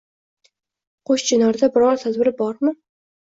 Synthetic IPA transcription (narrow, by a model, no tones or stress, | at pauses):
qʰoʃt͡ʃʰɪnɒɾd̪abɪɾɒɾt̪ʰad̪vɪɾbɒɾmɪ